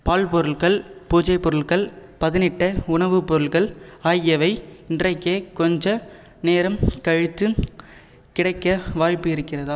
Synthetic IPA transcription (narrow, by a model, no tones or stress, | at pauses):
paːlpɔɾɯɭɣɐɭpuːd͡ʒɐɪpːɔɾɯɭɣɐɭpɐðɪnɪʈːɐʊɳɐʋɯpːɔɾɯɭɣɐɭaːjɛʋɐɪɪndrɐɪkːeːkɔɲd͡ʒɐ | neːɾɐmkɐɻɪt̪ːɯ | kɪɽɐɪkːɐʋaːɻpːɯɪɾɯkːɪrɐða